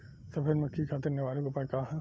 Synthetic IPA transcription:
sɐbʱeɾmɐkʰːikʰaːt̪ɐɾneʋaːlõkopɐkaːɦɛ̃

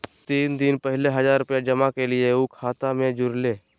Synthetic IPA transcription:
t̪iːnd̪ɪnpɛɦleɦɐzaːɾʊpjad͡ʒɐmakelɪeukʰaːt̪amẽd͡ʒʊɾleː

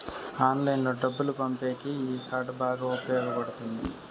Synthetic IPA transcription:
aːnlɐjnlɐɖɐbːulupɐmpe̞ːkiiːkaːɾʈbaːɡaːupɐjɔːɡɐpɐɽut̪und̪i

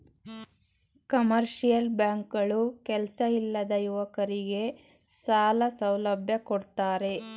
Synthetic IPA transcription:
kɐmɐɾʃijɐlbjaːŋkɐɭukɛlsɐilːɐd̪ɐjuʋɐkɐɾiɡe̞ | saːlɐsɐwlɐbʱjɐkoɽt̪aːɾe̞

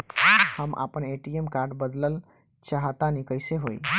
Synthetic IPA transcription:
həmʔa̰pəneʈiemkaɾɖbəd̪ləl | t͡ʃaɦt̪anikəɪseɦoj

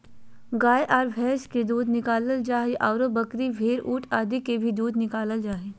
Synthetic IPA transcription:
ɡaːjʔaːɾʋʱɛːʃked̪uːd̪nɪkaːləld͡ʒaːɦeʔaːʊɾobɐkɾiʋʱeːɾuːʈʰaːd̪ikebʱid̪uːd̪ʱnɪkaːləld͡ʒaːɦe

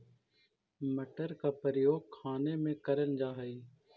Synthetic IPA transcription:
məʈəɾkaːpəɾɪjoːɡ̚kʰaːneːmẽːkəɾənd͡ʒaːɦəiː

